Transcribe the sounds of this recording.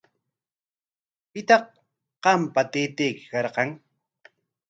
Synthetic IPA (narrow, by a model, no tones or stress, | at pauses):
pɪt̪ɑq | qɑmpat̪iːt̪ijkɪ̥kɑɾqɑŋ